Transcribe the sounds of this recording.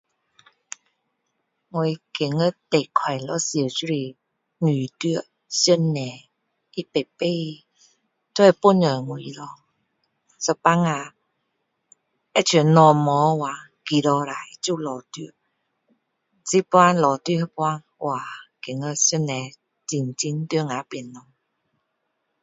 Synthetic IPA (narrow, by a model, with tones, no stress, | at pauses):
ŋo˧˨jke˨˩ŋə˧˦˨t̪e˨kʰwa˨˩jlɔ˧˦sə˨su˦ɾi˧˨ | ŋi˨˩t̪y˦˨ə˨ | sjə˥˨nːɛ˨ | i˦pe˨pe˧˦˧ | t̪ʰɔ˦ɛ˧˨po˦˨nə˨ŋu˨i˧˨ɾɔ˧ | sə˧pa˧ŋa˧ | ɛ˦˧˨t͡ɕʰi˨˦˨nɔ˧mɔ˨˦wa˨˦ | ki˨ɾɔ˧ɾa˨i˨˦t͡ɕu˥˧˨lɔ˨t̪y˧˨ə˨ | t͡si˦pwa˦nlɔ˨t̪i˧˨˦he˧˦pwa˧˦n | wʔa˨ke˨˦ŋə˧sə˥˨nːɛ˨˧ | t͡si˧˨nt͡ɕi˧˦nt̪y˧ə˨ŋa˨˦pi˨˩˨nːɔ˨˧˦ŋ